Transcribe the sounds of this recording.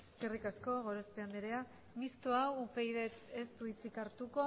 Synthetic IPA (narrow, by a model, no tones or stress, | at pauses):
eske̞rikasko̞ɣ̞o̞ɾospeamb̪eɾe̞a | mist̪oaupe̞jðe̞t͡sest̪uit͡sikaɾt̪uko̞